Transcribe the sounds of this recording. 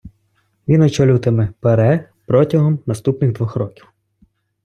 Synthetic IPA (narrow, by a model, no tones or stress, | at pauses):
ʋʲinɔt͡ʃɔlʲut̪ɪmɪpeɾɛ | pɾɔtʲɐɦɔmnɐst̪upnɪɣd̪ʋɔxɾɔkʲiw